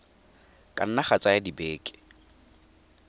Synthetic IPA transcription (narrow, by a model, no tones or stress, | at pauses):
kʼa̰n̩naχat͡saɪdibeːkʼɪ̥